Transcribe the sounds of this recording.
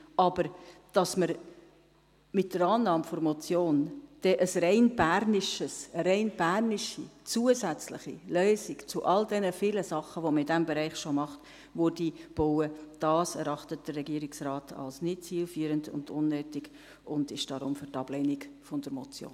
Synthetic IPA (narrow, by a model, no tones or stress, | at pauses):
ʔɑbəɾd̥ɑsməɾ | mɪt̚d̥əɾɑːnːɑːmfoɾmɔt͡sjoːnd̥ɛʔəsɾɛɪnbæɾnɪʃəsəɾɛɪnb̥ærniʃḭt͡suəzæt͡slɪ̰χḭlœːsikt͡sʊʔɑldɛnəfiːləsɑχəʋoməɾɪdæmbɛɾɛɪχʃomɑχt | ʋʊɾdib̥ɔwəd̥ɑːsɛɾɑχtət̚d̥ərːɛɡiəɾiksrɑːtʰɑ̰lsnɪtt͡siːlfyːɾəndʊ̰ndʊnːøːtiɡ | ʊndɪʃd̥ɑɾʊ̰mfyɾtɑb̥lɛniɡfɔnd̥əɾmɔt͡sjo̰ːn